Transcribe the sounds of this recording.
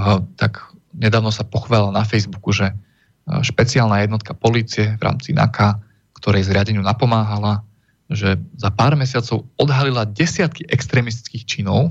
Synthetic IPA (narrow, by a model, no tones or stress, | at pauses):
t̪akɲɛd̪aːʊnɔsapɔxʋaːllanafɛjzbukuʒɛ | ʃpɛt͡siaːlnajɛd̪nɔt̪kapɔliːt͡siɛvɾa̰ːmt͡sina̰ka | kt̪ɔɾɛjzɾɪaɟɛɲɪunapɔmaːɦala | ʒɛzapaːɾmɛsɪat͡sɔʊɔd̪ɦalilaɟɛsɪat̪̚kiʔɛkst̪ɾɛːmis̬t̪i̥t͡skiːxt͡ʃinɔʊ